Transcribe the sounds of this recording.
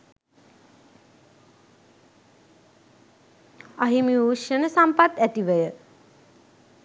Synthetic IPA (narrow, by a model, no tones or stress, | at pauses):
aɦimiuʃənəsampat̪æt̪iʋəjə